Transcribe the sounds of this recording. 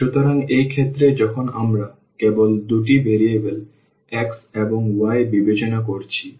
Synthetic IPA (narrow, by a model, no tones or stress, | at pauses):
ʃut̪oɾaŋejkʰet̪ːɾed͡ʑɔkʰonamɾa | kebold̪uʈ̬ibeɾiebel | ɛkseboŋuajbibet͡ɕonakoɾt͡ɕʰi